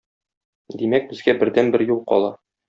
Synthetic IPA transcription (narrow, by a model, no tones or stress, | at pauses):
d̪imæk̚bɘ̆zɡæbɘ̆ɾd̪ænbɘɾjulˠqɒ̰lˠɑ